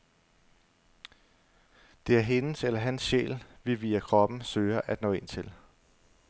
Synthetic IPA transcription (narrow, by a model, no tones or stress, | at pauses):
d̥e̝æɐɦe̝nəselɐɦænsɕḛːlʋiʋḭːɐkʰʁɒ̽b̥n̩søːɐʔæd̥nɔ̰̽ːe̝n̰t͡sʰe̝l